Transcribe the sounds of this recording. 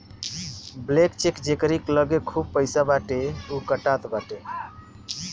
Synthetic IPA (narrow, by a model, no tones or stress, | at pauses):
blekt͡ʃekd͡ʒekɾikləɡekʰub̚pəɪjsabaʈeukəʈat̪baʈe